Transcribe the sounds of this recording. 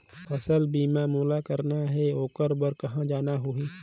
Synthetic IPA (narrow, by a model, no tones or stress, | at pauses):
ɐsəlbiːmaːmuːlakəɾnaɦɛoːkəɾbəɾkɐɦãd͡ʒaːnaɦʊɦi